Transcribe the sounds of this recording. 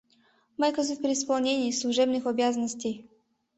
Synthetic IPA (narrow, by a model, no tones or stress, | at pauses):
majʲkɔzufʲpʲɾʲɪɪspɐlˠnʲenʲiːslˠuʐɛbnɨxɔbʲjazənəsʲtʲej